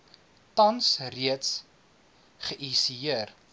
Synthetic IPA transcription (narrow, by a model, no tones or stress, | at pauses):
tɐnsriəts | χəʔisiiər